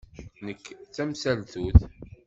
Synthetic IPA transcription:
nəkːt͡sːæmsælθuθ

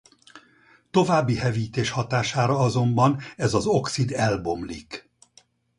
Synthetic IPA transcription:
t̪o̞vaːbːiɦɛviːt̪eːʃhɒt̪aːʃaːɾɒɒzo̞mbɒnɛzɒzo̞ksid̪ɛlbo̞mlḭk

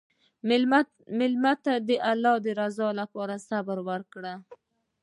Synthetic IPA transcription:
mɪlmat̪ːad̪əʔalːɑd̪əɾazɑlapɑɾasabɾwəɾkɽa

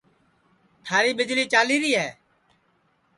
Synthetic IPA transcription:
t̪ʰaːɾiːɓɪd͡ʒliːt͡ʃaːliːɾiːɦɛː

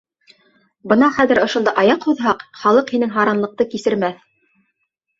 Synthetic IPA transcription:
bɤ̆nɑχæðɘ̆ɾŏʃŏnd̪ɑʔɑjɑqhuðɦɑqχɑlˠɤqhinɘŋɦɑɾɑnlˠɤ̆q̚t̪ɤkisɘ̆ɾmæθ

